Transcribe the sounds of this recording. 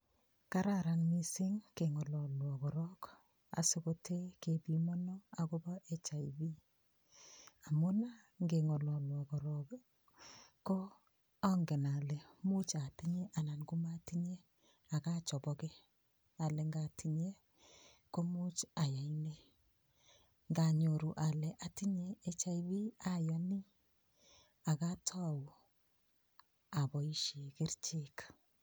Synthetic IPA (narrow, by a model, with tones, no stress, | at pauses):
ka˦ɾa˦ɾa˨nmi˦sɪ˦ŋke˨ŋɔ˨lɔ˨lwɔ˨kɔ˨ɾɔ˦k | a̰˨so˦ko˦tʰe˦ke˨bi˨mɔ˦nɔ˦a˨ko˦bɔ˦ʔe˦t͡ʃa˨ibi˦ | a˨mo˦na˦ | ŋɡe˨ŋɔ˨lɔ˨lwɔ˨kɔ˨ɾɔ˦ | kːɔ˦ | ɔ˦ŋɡe˨na˨le˨mu˦t͡ʃa˨ti˦ɲe˦ʔa˨na˨nɡu˦ma˦ti˦ɲe˦ | a˨ka˦t͡ʃɔ˨bɔ˦kɛ˦ | a˨lɛ˨ŋɡa˨ti˨ɲe˦ | ko˦mu˦t͡ʃa˨ja˨i˦ne˦ | ŋɡa˨ɲo˨ɾu˨ʔa˨lɛ˨ʔa˨ti˦ɲeː˦t͡ʃa˦i˦bi˦a˨jɔ˨ni˦ | a˨ka˦tʰɔ˦˨u˨ | a˨bɔ˨i˦ʃe˨kɪ˦ɾt͡ʃe˦k